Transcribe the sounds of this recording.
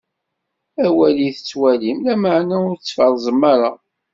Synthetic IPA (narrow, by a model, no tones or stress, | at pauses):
æwæliθət͡sːwælimlæməʕnæʊɾt͡sːfɑɾˤzˤəmːɑɾɑ